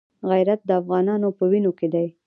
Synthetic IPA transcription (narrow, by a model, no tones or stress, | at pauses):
ɣajɾat̪̚d̪əafɣɑnɑnopəwinoked̪aj